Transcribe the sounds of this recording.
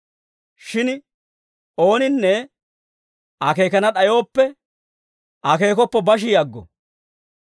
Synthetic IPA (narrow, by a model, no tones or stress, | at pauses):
ʃɪn | o̞ːnɪnːɛ | ʔɐke̞ːkɐnɐɗɐjo̞ːpːɛ | ʔɐke̞ːkɔpːɛbɐʃ̬ɪjɐɡːɔ̰